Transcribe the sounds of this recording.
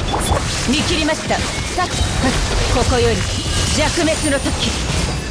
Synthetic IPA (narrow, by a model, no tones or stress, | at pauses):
mʲikʲiɾʲimaɕi̥t̪a | sakʲi̥akokojoɾʲi | d͡ʑakɯ̟me̞t͡sɨnot̪okʲi